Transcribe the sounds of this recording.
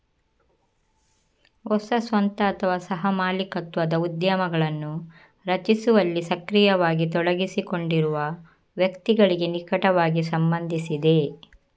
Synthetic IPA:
ɔsɐsʋɐnt̪ɐːt̪ʰɐʋaːsɐɦɐmaːlikɐt̪ːʋɐd̪ɐud̪jɐmɐɡɐɭɐnːu | ɾɐt͡ʃisuʋɐlːisɐkɾijɐʋaːɡit̪ɔɽɐɡisikoɳɖiɾuʋɐ | ʋjɐkt̪iɡɐɭiɡenikɐʈɐʋaːɡisɐmbɐnd̪ʱisid̪e̞

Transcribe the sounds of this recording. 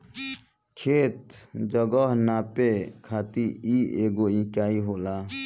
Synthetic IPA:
kʰeːt̪̚d͡ʒəɡəɦnaːpekʰaːt̪iiːeːɡoːĩːkaːiɦoːlaː

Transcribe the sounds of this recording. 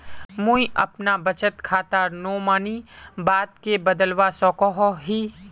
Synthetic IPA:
mũiʔɐ̰pnabɐt͡ʃət̪kʰaːt̪anoːmaːnibaːt̪̚kebɐd̪əlʋasɔːkɔɦɔɦiː

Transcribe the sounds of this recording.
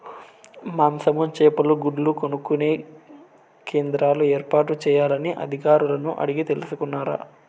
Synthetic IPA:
maːmsɐmut͡ʃɛːpɐluɡuɽlukonukːune̞ː | keːnd̪ɾaːlueːɾpaːʈut͡ʃɛːjaːlɐniʔɐ̰d̪ʱikaːɾulɐnuʔɐ̰ɽiɡit̪e̞lusukunːaːɾa̰ː

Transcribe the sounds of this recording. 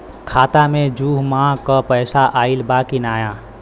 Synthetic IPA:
kʰaːt̪amẽd͡ʒuːɦmãːkapəːsaʔaːɪlbaːkinaːjãː

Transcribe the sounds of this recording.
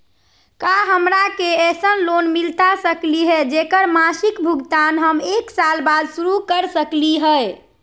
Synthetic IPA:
kaɦəmɾakeesənlonmilt̪asəkliɦɛd͡ʒekəɾmasikbʱuɡt̪anɦəmeksalbad̪suɾukəɾsəkliɦə

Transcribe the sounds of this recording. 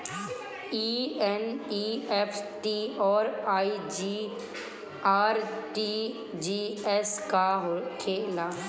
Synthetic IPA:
iɛniːɛfʰʈiɔːɾaːid͡ʒiː | aːɾʈi | d͡ʒiːɛskaɦkʰeːlaː

